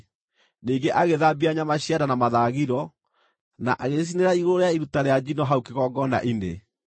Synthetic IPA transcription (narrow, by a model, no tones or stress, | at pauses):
niːŋɡeʔaɣeðabiaɲamaɕiadanamaðaːɣiɾɔ | na̰ʔaɣes̬ineɾaiɣoɾoɾeaiɾutaɾead͡ʑinɔɦaukeɣɔːɡɔna̰ʔinḛ